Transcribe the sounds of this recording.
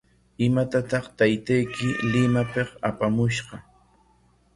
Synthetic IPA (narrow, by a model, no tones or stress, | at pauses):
ɪmat̪at̪ɑχt̪ajt̪ajkɪlɪmapeχapamʊʃɢɑ